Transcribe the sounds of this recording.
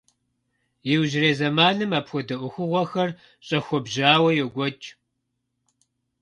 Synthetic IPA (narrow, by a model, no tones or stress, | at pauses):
jɪwʒɪreːzɐmaːnɨmaːpxʷɔdɐʔʷʊxʷʊʁʷɔxɐr | ɕʼɐxʷɔbʑaːwɐjɛɡʷɔt͡ʃʼ